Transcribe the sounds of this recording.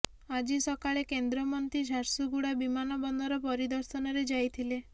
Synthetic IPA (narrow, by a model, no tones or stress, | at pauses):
ad͡ʒisɔkaɭekend̪ɾɔmɔnt̪id͡ʒʱaɾsuɡuɽabimanɔbɔnd̪ʱɔɾɔpɔɾid̪ɔɾsɔnɔɾed͡ʒajt̪ʰile